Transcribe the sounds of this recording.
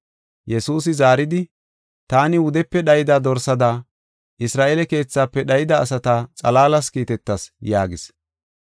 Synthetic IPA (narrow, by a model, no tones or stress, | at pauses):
jɛsuːs̬ɪzaːɾɪd̪ɪ | t̪aːnɪwʊd̪ɛpːɛɗɐjɪd̪aːd̪ɔɾsɐd̪aː | ʔɪsɾaːʔeːlɛke̞ːt͡sːaːpːɛɗɐjɪd̪ɐːsɐt̪at͡sʼɐlaːlɐskiːt̪ɛt̪ːɐsjaːɡɪs